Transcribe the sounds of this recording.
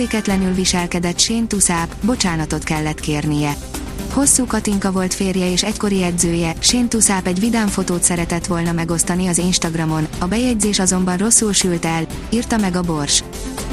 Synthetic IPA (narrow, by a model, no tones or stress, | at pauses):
eːkɛt̪lɛnylviʃɛlkɛd̪ɛt̪ʃeːnt̪usaːpbo̞t͡ʃaːnɒt̪o̞t̪kɛlːɛt̪keːrnijɛ | ho̞sːuːkɒt̪iŋkɒvo̞lt̪feːrjɛeːʃɛcko̞ɾijɛdzøːjɛʃeːnt̪usaːpɛɟʋid̪aːɱfo̞t̪oːt̪sɛɾɛt̪ɛt̪ʋo̞lnɒmɛɡo̞st̪ɒniɒzinʃt̪ɒɡrɒmo̞nɒbɛjɛɟzeːʃɒzo̞mbɒnro̞sːulʃylt̪ɛl | iːrt̪ɒmɛɡɒbo̞rʃ